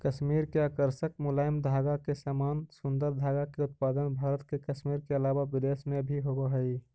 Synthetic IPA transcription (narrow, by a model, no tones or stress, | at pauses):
kəʃmiːɾkeakəɾsək̚mʊlaːɪmd̪ʱaːɡakesamaːnsʊnd̪əɾd̪ʱaːɡakeʊt̪̚paːd̪ənbʱaːɾət̪kekəʃmiːɾkeəlaːwaʋɪd̪esmebʱiɦoɡoɦəi